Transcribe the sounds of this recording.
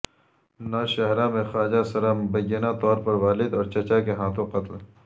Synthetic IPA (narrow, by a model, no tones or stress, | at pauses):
naʃɐɦɾamẽxaːd͡ʒasɐɾamʊbɐjːənat̪ɔːɾpɐɾʋaːlɪd̪ɔːɾt͡ʃɐt͡ʃakeɦãːt̪õqɐt̪l